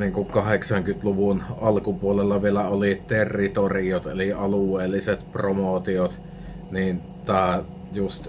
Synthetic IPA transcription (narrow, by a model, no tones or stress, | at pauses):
niːŋkukkɑheksɑŋkyt̪luʋunɑlkupuolelːɑʋielæolit̪erːit̪oriot̪ḛliɑluwˑeːlːiset̪promot̪iot̪ | niːnt̪t̪æˑ | just̪